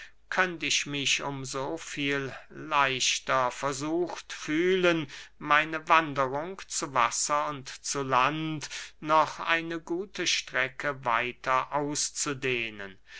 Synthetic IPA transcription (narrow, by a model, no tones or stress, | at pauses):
kʰœntɪçmɪçʊmzoːfiːllaɪʃtɐfɛɐzuːxtfyːlənmaɪnəvandəʁʊŋt͡suva̰sɐʊntt͡sulantnɔχʔa̰ɪnəɡuːtʰəʃtʁ̥ɛkʰəvaɪtʰɐʔaʊst͡sudeːnə̰n